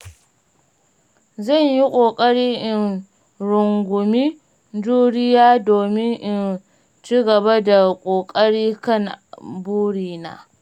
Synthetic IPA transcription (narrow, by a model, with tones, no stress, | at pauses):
zɐ˦˨ɲji˦kʷʼoː˨kʼɐ˦ɽiː˦ʔɪ˨n | ɽʊ˨ŋɡʷʊ˨mi˦ | d͡ʒuː˦ɽɪ˦jaː˦doː˨mɪ˦ŋʔɪ˨n | t͡ʃiː˦ɡɐ˨ba˦da˨kʷʼoː˨kʼɐ˦ɽiː˦kɐ˦˨ŋbuː˦ɽiː˦˨na̰ː˨